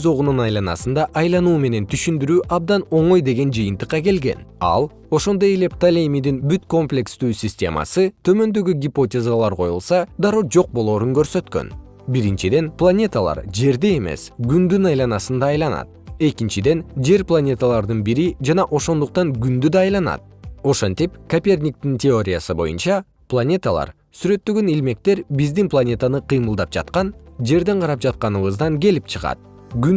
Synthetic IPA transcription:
zo̞ʁununɑjlˠɑnɑ̰sɯnd̪ɑʔɑjlˠɑnuːme̞ne̞nt̪ʰyʃynd̪yɾyːʔɑbd̪ɑno̞ɴo̞jd̪e̞ɡe̞nd͡ʒɯjɯnt̪ɯ̥qːɑke̞lɡe̞̰nɑ̰lˠ | o̞ʃo̞nd̪o̞jele̞pt̪alʲemʲid̪inbyt̪ko̞mplʲe̞kst̪yːsʲisʲtʲe̞̰mɑ̰sɯt̪ʰø̞mø̞nd̪ø̞ɡyɡʲipo̞tʲezalˠɑɾqʰo̞jṵlˠsɑd̪ɑɾo̞d͡ʒo̞q̚bo̞lˠo̞ːɾuŋkø̞ɾsø̞t̪kø̰n | biɾint͡ʃid̪e̞nplˠanʲe̞t̪alˠɑ̰ɾd͡ʒe̞ɾd̪ee̞me̞̰sɡynd̪ynɑjlˠɑnɑsɯnd̪ɑːjlˠɑnɑ̰t̪̚e̞kint͡ʃid̪e̞nd͡ʒe̞ɾplˠanʲe̞t̪alˠɑɾd̪ɯnbiɾid͡ʒɑnɑʔo̞ʃo̞nd̪uq̚t̪ɑŋɡynd̪yd̪ɑːjlˠɑnɑ̰t̪̚o̞ʃent̪ipkapʲe̞rnʲik̚t̪intʲeo̞ɾʲijasɯbo̞̰jṵnt͡ʃɑ | plˠanʲe̞t̪alˠɑ̰ɾ | syɾø̞t̪ːøɡø̞nilme̞k̚t̪e̞ɾbizd̪inplˠanʲe̞t̪anɯqʰɯjmɯlˠd̪ɑp̚d͡ʒɑ̰t̪qɑnd͡ʒe̞ɾd̪e̞ɴqʰɑɾɑp̚d͡ʒɑt̪̚qɑnɯβɯzd̪ɑŋɡe̞lipt͡ʃʰɯʁɑ̰t̪̚ | ɡyn

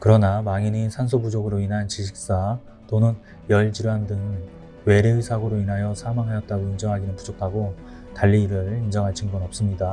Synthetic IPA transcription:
kɯɾʌnamaŋinisʰans̬ʰobud͡ʑoɡɯɾoinɦant͡ɕiɕʰik̚s͈a | tonɯn | jʌɭd͡ʑiɾandɯŋ | we̞ɾeɯsʰaɡoɾoinɦajʌsʰamaŋɦajʌt̚t͈aɡoind͡ʑʌŋɦaɡinɯnpud͡ʑʰokʰaɡo | taʎːiɾɯɭind͡ʑʌŋɦaɭt͡ɕʰiŋɡunʌp̚s͈ɯmɲida

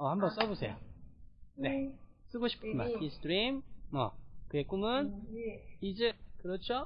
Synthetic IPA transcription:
ʌhambʌns͈ʌbosʰe̞̰jo | ne̞s͈ɯɡoɕʰi̥p̚k͈ʰɯma̰nisʰtɾimːʌ̰kɯek͈umɯn | id͡ʑekɯɾʌt͡ɕʰo

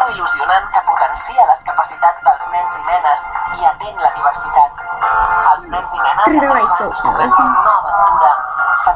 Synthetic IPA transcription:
iluziunankəput̪ənsiələskəpəsit̪ad͡zd̪əlˠznɛnzinɛnəsiət̪enləniβəɾsit̪at̪ | əlˠznɛnzinɛnəβajasuβɛnsint̪oβət̪uɾəsə

